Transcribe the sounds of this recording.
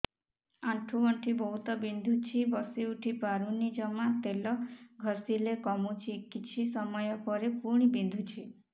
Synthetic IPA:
aʈʰuɔɳʈʰibɔɦut̪ɔbind̪ʱut͡ʃʰibɔsiuʈʰipaɾunid͡ʒɔmat̪elɔɡʱɔsilekɔmut͡ʃʰikit͡ʃʰisɔmɔjɔpɔɾepuɾɽ̃ibind̪ʱut͡ʃʰi

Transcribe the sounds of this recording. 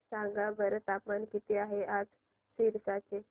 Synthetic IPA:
sãŋɡabəɾt̪apmankit̪eaɦeʔad͡z | siɾsat͡se

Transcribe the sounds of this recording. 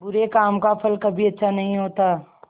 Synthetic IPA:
bʊɾekaːmkapʰɐlkɐbʱiɐtːʃʰanɐɦĩɦoːt̪aː

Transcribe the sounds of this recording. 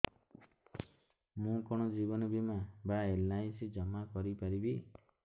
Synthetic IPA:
mũkɔɽ̃ɔd͡ʒibɔnɔbimabaelːajsid͡ʒɔmakɔɾipaɾibi

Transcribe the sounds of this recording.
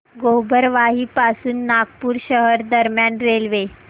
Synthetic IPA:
ɡobʱəɾʋaɦiːpasuːnːaɡpuːɾɕəɦəɾd̪əɾmjanɾelʋe

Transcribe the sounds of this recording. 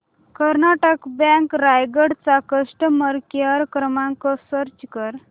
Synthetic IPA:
kəɾnaʈəkbɛ̃ŋkɾajɡəɽt͡sakəʂʈəməɾkjaɾkɾəmaŋkɔsəɾt͡ɕkəɾ

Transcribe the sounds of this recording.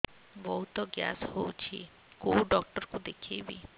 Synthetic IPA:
bɔɦut̪ɔɡja̰showt͡ʃʰḭ | koɖɔk̚ʈɔɾkud̪ekʰejbḭ

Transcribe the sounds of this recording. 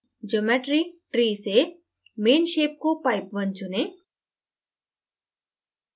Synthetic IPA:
d͡ʒomɛːʈɾiʈɾiːse | meːnʃeːp̚kopaːɪpʋə̃nt͡ʃʊneː

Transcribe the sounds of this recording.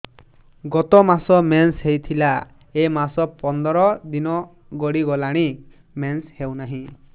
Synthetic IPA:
ɡɔt̪ɔmasɔmenshejt̪ʰila | emasɔpɔnd̪ɔɾɔd̪inɔ | ɡɔɽiɡɔlaɽ̃i | menshewnaɦĩ

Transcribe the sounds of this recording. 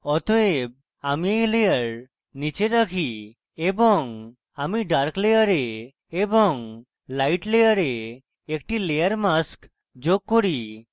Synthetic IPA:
ɔt̪oeb̚ | amiejlejəɾ | nit͡ʃeɾakʰi | ebɔŋ | amiɖaɾklejəɾe | ebɔŋ | lajʈlejəɾe | ek̚ʈilejəɾmask | d͡ʒoɡ̚kːoɾi

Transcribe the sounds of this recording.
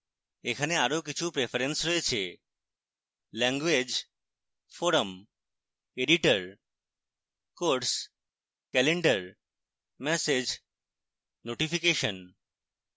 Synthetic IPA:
ekʰaneaɾokit͡ɕʰupɾefaɾensɾoet͡ɕʰḛ | lɛŋɡwed͡ʑ | foɾəm | eɖiʈəɾ | koɾɾs | kɛleɳɖəɾ | mɛsed͡ʑ | noʈifikeʃon

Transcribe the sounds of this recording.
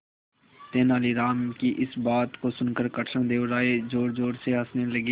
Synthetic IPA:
t̪eːnaːliːɾaːmkiʔɪsbaːt̪kosʊnkəɾkəʈʰə̃d̪eːoɾaːed͡ʒoːɾd͡ʒoːɽseɦəsneləɡeː

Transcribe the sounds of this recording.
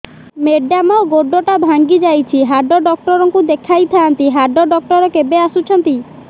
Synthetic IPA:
meɖamaoɡoɖːɔʈabʱaŋɡid͡ʒajt͡ʃʰiɦaɾɖɔɖɔk̚ʈɔɾɔŋkud̪ekʰajt̪ʰant̪iɦaɖɔɖɔk̚ʈɔɾɔkebeasut͡ʃʰɔnt̪i

